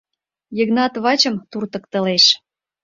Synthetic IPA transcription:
jəɣnɑt̪βɑt͡ɕə̆mt̪urt̪ə̆k̚t̪ə̆leʃ

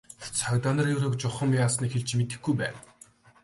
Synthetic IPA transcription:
t͡sʰœkʲt̪ɔːnɞ̆rjɵːrɵ̆k̚t͡ɕʊχə̆mjaːsniːxeɮt͡ɕmet̪ɘ̆xɡujpæ̰ːn

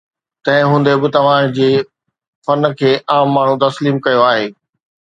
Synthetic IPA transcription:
t̪ɐ̃ɦɪ̃ɦũːnd̪ebɪt̪ɐʋ̤ãd͡ʑeː | fɐn̆kʰeːʔãːmːaːɳ̤ũt̪ɐsliːmkɐjoaːɦeː

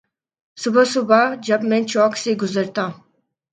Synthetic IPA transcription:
sʊbɐsʊbad͡ʒɐbment͡ʃɔːkseɡʊzəɾt̪aː

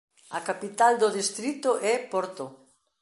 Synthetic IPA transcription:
ɐkapit̪ald̪oðist̪ɾit̪ʊʔɛpɔɾt̪ʊ

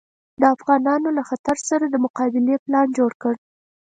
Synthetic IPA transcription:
d̪əafɣɑnɑnolaxat̪aɾsaɾad̪əmʊqɑbɪleplɑnd͡ʒoɽkəɽ

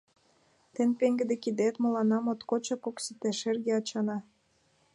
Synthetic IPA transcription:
t̪enpeŋɡĕd̪ekid̪et̪mɤlɑnɑmot̪kot͡ɕɑpoksit̪eʃerɣeɑt͡ɕɑnɑ

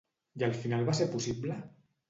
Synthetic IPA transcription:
jalˠfinalˠβaseɾpusible

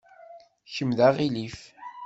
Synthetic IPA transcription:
çəmðaʁilif

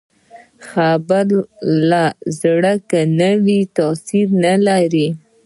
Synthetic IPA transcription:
xabaɾlazɽəkanəwit̪ɑsiɾnalaɾi

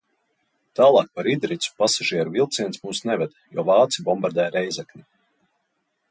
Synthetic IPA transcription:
t̪aːlˠɑːk̚paɾid̪ɾit̪su̥pasaʒiɛɾuvilˠt̪siɛnsmuːsnɛvɛd̪jɔːvɑːt̪sibɔmbaɾd̪ɛjɾɛjzaknʲi

